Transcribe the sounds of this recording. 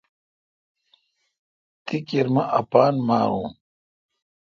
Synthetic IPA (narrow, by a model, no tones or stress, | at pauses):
t̪ikiɾmɐʔɐpaːnmaːɾuː